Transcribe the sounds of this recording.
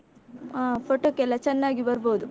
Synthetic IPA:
apoʈoːkɛlːɐt͡ʃɛnːaːɡibɐɾboːd̪u

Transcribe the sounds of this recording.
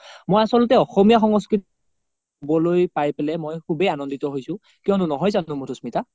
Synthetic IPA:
mojasɔlɔtɛɔxɔmijaxɔŋɔskɹit | bɔlojpajpelɛmojkʰubejanɔnditɔɦojsʊ̃ | kiɔnʊnɔɦɔjzanʊ̃mutʰusmita

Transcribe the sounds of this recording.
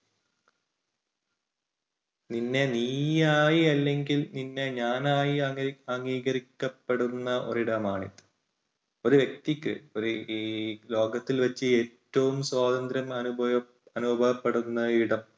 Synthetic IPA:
ninːe̞niːjaːjiɐlːe̞ŋɡilninːe̞ɲaːnaːjiɐŋɡiːɡɐɾikʲːɐpːeɽunːɐʔo̞̰ɾiɽɐmaːɳḭt̪ːɨ̥ | o̞ɾuʋje̞k̚t̪ikʲːɨ̰oɾuː | lo̞ːɡɐt̪ːilʋɐt͡ɕːɨe̞ːtːɐʋumswaːd̪ɐnd̪ɾjɐmɐnubʱɐ | ɐnubʱɐbʱɐʋɐpːeɽunːɐiɽɐm

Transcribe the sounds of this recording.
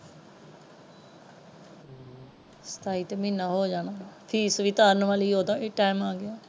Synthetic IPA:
sə̥t̪aːiːt̪emɪːnaːɦoːd͡ʒaːɽaːpʰiːsʋɪt̪aːɾnʋaːliːɦoːd̪ãːʈaːɪmaːɡɪjãː

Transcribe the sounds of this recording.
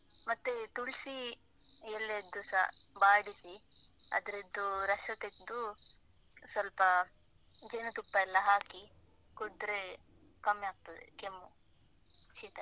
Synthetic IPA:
mɐt̪ːet̪uɭsi | elːed̪ːusɐbaːɽisiɐ̰d̪ɐɾid̪ːuɾɐʂɐt̪ed̪u | sʋɐlpɐ | d͡ʒenɐt̪upːɐɛlːɐɦaːki | koɽd̪ɾe | kɐmːjaːɡ̚t̪ɐd̪ḛkemːu | t͡ʃit̪ɐ

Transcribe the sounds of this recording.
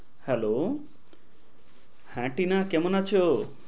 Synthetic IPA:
hɛlo | hɛ̃ʈinakemonat͡ʃʰo

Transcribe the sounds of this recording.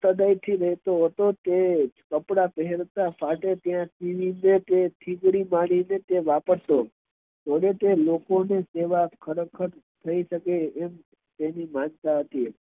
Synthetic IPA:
t̪əd̪ait̪ʰiɾəɦɛt̪oɦət̪ot̪ekəpɽapəɦɛɾt̪afʰaʈet̪jãsiʋinet̪et̪ʰiɡɽimaɽ̃inet̪eʋapəɾt̪o | t̪oɽet̪elokoneseʋakʰəɾəkʰəɾ | t̪ʰəiʃəkeːm | t̪enimãnt̪aɦət̪i

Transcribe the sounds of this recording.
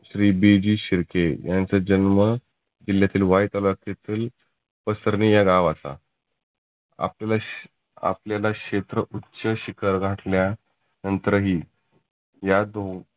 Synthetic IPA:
ɕɾiːbid͡ʑiːɕiɾkejãnt͡səd͡ʑənmə | d͡ʑiljat̪iːlʋajt̪aləɾt̪et̪iːl | pəsəɾnijaɡaʋat̪a̰ | a̰plala | a̰pljalaket̪ɾəʔutːɕəɕikʰəɾɡʱaʈlja | nənt̪ɾəɦiː | jad̪o

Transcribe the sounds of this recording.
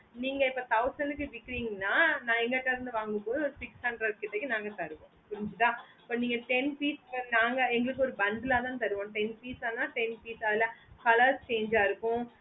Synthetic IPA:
niːŋɡɐɪpːoːt̪ɐʊsɐɳɖɯk̬ːɯʋɪkːɪɾiːŋɡɐnːaːnãːɛŋɡɐʈːɐɾɯnd̪ɯʋaːŋɡɯmpoːðɯɔɾɯsɪksɐɳɖɾɐɾkːɪʈːɐkːinaːŋɡɐt̪ɐɾɯʋõːpʊɾɪɲd͡ʒɯt̪ːãː | pːɐːniːŋɡɐʈɛnpiːskɐnaːŋɡɐɛŋɡɐɭɯkːɯɔɾɯbɐnd̪ɯlaːt̪ãːt̪ɐɾɯʋõːʈɛnpiːsaːnaːʈɛnpiːsɐːðɪlɐkɐlɐɾst͡ʃeːɲd͡ʒaːɪɾɯkːʊ̃

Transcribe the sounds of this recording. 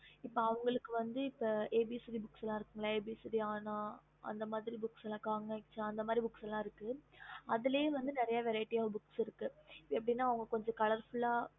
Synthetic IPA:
ɪpːoɐʋɐŋɡɐɭɯkːɯʋɐnd̪ɯɪpːoeːbisɪðibʊksɛlːãːɪɾɯkːɯŋɡɐɭaeːbisɪðiaːnãː | ʔɐ̰nd̪ɐmaːðɪɾibʊksɛlãkaːŋɐkt͡ʃːãɐnd̪ɐmaːd̪ɾibʊksɐlːãːɪɾɯkːɯɐðɪleʋɐnd̪ɯnɪɾɐjaʋɛɾɐɪʈːiaːɣɐbʊksɪɾɯkːɯɪpːɐɛpːɐɽɪnːaːɐʋɐŋɡɐkɔɲd͡ʒɐ̃kɐɭɐɾfʊɭaː

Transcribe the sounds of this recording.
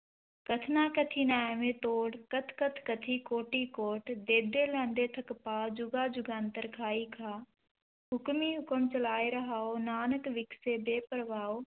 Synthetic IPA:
kɐt̪ʰnaːkət̪ʰiːnaːjʋẽːt̪oːɽkət̪ʰkət̪ʰkət̪ʰiːkoːʈiːkoːʈd̪eːd̪eːlɛ̃ːnd̪eːt̪ʰəkpaːd͡ʒʊɡaːd͡ʒʊɡãːnt̪əɾkʰaːiːkʰãː | ɦʊkmiɦʊkəmt͡ʃɐlaːeɾɐɦaːoːnaːnəkʋɪksebeːpəɾʋaːoː

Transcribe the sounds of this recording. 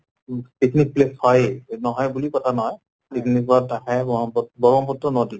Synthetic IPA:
piknik̚pleshɔjnɔɦɔjbulikɔtʰanɔɦɔj | pikʰnikɔtaɦɛbɔɔpɔbɔɹɔmpɔtːɔnɔdil

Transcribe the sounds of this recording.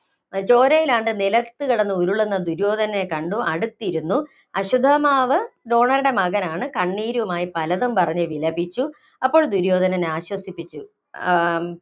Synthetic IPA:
t͡ɕo̞ːɾɐjilaːɳɖɨnilɐt̪ːɨkiɽɐnːɨuɾuɭenːɐd̪uɾjo̞ːd̪ʱɐnɐnekɐɳɖuʔɐɽut̪ːijɾunːu | ɐɕud̪ʱɐmaːʋɨɖo̞ːɳɐɾuɽe̞mɐɣɐnaːɳɨkɐɳːiːɾuʋumaːjipɐlɐðumpɐrɐɲːɨʋilɐbit͡ɕːu | ɐpːo̞ːɭd̪uɾjo̞ːd̪ʱɐnɐneaːɕwɐsipːit͡ɕːu

